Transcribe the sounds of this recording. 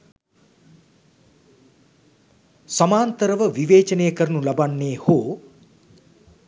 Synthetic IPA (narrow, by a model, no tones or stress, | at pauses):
samaːnt̪əɾəʋəʋiʋeːt͡ʃɐnejəkəɾənulɐbanːeːhoː